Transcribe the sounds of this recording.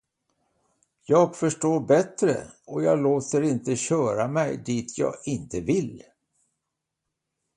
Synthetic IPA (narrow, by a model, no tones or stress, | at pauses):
jɑːɡfœʂʈoːɾbɛt̪ɾə̰ɔjɑːɡloːt̪əɾɪnt̪əɕœːɾamɛjd̪iːt̪ʰjɑ̰ːɡɪnt̪əvɪl